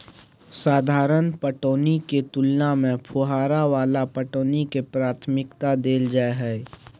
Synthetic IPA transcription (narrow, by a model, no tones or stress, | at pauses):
saːd̪ʱaːɾənpəʈoːniket̪ʊlnamẽpʰʊɦaːɾaʋaːlapəʈoːnikepɾaːɾt̪ʰmɪkt̪ad̪eːld͡ʒaːeɦɛ